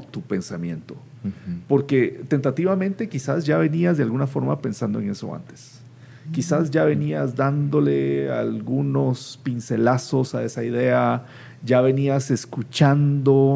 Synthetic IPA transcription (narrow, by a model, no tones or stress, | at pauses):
t̪upe̞nsamjẽ̞̰nt̪o | po̞ɾke̞t̪e̞nt̪at̪iβamẽnt̪e̞kisazʝaβe̞niazðealɣunafo̞ɾmape̞nsand̪o̞eŋe̞so̰a̰nt̪e̥s | kisazʝaβe̞niazd̪and̪o̞le̞a̰lɣuno̞spinse̞laso̞sae̞saiðe̞a | d͡ʒaβe̞niase̞skut͡ʃand̪o̞